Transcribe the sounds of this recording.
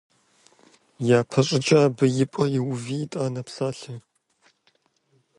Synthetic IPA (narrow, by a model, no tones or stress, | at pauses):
jaːpʰɐɕʼɪt͡ʃʼaːbɨjɪpʷʼɐjɪwviːtʼaːnɐpsaːɬɨ